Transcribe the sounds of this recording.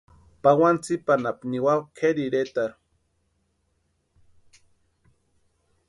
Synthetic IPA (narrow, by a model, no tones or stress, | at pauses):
pawant͡sipanapniwawkʰeɾiɾet̪aɾu̥